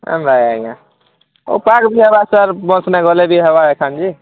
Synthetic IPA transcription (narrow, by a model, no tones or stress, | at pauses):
ə̰mdajaijã | o̰pakbʱiɦebasəɾbɔ̃snɛɡɔlebʱiɦebaekʰand͡ʒi